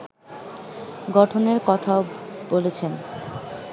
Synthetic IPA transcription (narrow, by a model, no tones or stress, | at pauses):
ɡɔʈʰoneɾkɔt̪ʰaobolet͡ɕʰen